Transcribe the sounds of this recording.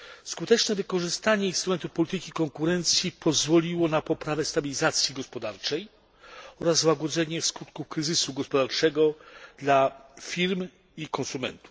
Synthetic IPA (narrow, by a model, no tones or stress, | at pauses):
skut̪ɛt͡ʂnɛvɘkɔʐɘst̪aɲɛinst̪ɾumɛnt̪ufpɔlʲit̪ɘkʲikɔŋkuɾɛnt̪sʲjipʰɔzvɔlʲiwɔnapɔpɾavɛst̪abʲilʲizat̪sʲjiɡɔspɔd̪aɾt͡ʂɛj | ɔɾazwaɡɔd̪zɛɲɛskut̪kufkɾɘzɘsuɡɔspɔd̪aɾt͡ʂɛɡɔd̪̥lafʲiɾm | ikɔ̃nsumɛ̰nt̪u̥